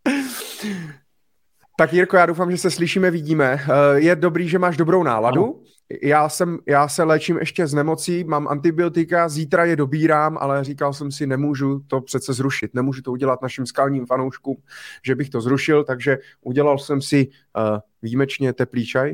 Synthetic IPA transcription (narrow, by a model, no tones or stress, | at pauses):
t̪akjɪɾkojaːdo̞wfaːmʒɛsɛslɪʃiːmɛvɪɟiːmɛjɛdo̞bɾiːʒɛmaːʒdo̞bɾowna̰ːladu | jaːsɛmjaːsɛlɛːt͡ʃɪmʔɛ̰ʃcɛznɛmo̞t͡siːmaːmʔa̰nt̪ɪbɪot̪ɪkaziːt̪ɾajɛdo̞biːɾaːmʔa̰lɛrikals̬ɛmsɪnɛmuːʒut̪o̞pr̥ɛt̪t͡sɛzɾuʃɪt̪nɛmuːʒut̪ouɟɛlat̪naʃɪmskalɲiːmfanowʃkuːmʒɛbɪxt̪o̞zɾuʃɪlt̪aɡʒɛ | ʔuɟɛlalsɛmsɪ | viːmɛt͡ʃɲɛt̪ɛpliːt͡ʃaj